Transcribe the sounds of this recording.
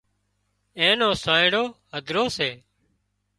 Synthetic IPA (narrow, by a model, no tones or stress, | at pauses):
ẽːnoːsãːɪɽoːɦəd̪ʱɾoːseː